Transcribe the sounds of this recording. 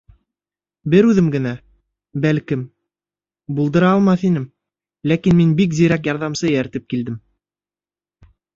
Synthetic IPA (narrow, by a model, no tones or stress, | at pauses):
bɘɾʉðɘmɡɘ̆næ | bælkɘm | bulˠd̪ɤ̆ɾɑːlˠmɑθinɘm | lækinminbikzĭɾæk̬jɑɾðɑmsɤjæɾt̪ɘp̚kild̪ɘm